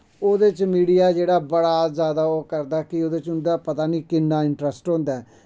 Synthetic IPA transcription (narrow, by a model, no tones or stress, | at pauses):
oːd̪et͡ʃmiːɽijaːd͡ʒeːɽaːbəɽaːzjaːd̪aːoːkəɾd̪aːkɪoːd̪et͡ʃʊnd̪aːpət̪aːniːkɪnːaːɪɳʈɾəsʈɦõːnd̪aːɛ